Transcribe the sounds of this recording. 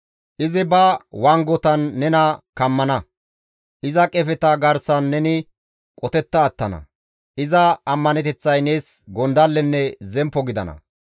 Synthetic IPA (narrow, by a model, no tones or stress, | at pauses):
ʔɪzɪbɐwɐŋɡɔt̪ɐnːɛnɐkɐmːɐnɐ | ʔɪzɐkʼɛfɛt̪ɐɡɐɾsɐnːɛnɪ | kʼɔt̪ɛt̪ːɐːt̪ːɐnɐ̰ | ʔɪzɐɐmːɐnɛt̪ɛt͡sːɐjne̞ːs | ɡɔnd̪ɐlːɛnːɛzɛmpːɔɡɪd̪ɐ̰nɐ̰